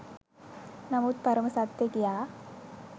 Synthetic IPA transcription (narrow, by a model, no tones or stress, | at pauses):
nɐmuːt̪̚pɐɾɐmɐsat̪jekijaː